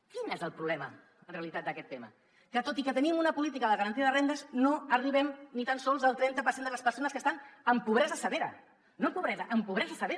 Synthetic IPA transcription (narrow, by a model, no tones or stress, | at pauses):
kinezəlˠpɾuβlɛmə̰ | nreəlit̪at̪̚d̪əkɛt̪ːemə̰ | kət̪ot̪ikət̪ənimunəpulit̪̬ikəðəɣəɾənt̪iəðərend̪əznoəriβɛmnit̪ansɔlˠzəlˠt̪ɾɛnt̪əpəɾsend̪ələspəɾsonəskəst̪anəmpuβɾɛzðəsəβeɾə̰ | noəmpuβɾɛzəʔəmpuβɾɛzðəsəβeɾ